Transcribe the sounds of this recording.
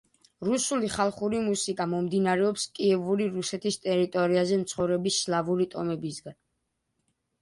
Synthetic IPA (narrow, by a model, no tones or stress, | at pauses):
ɾusuliχalˠχuɾimusikʼamɔmd̪inaɾɛɔpskʼiɛvuɾiɾusɛt̪ʰist̪ʼɛɾit̪ʼɔɾiazɛmt̪sʰχɔvɾɛbisːlˠavuɾit̪ʼɔmɛbisɡan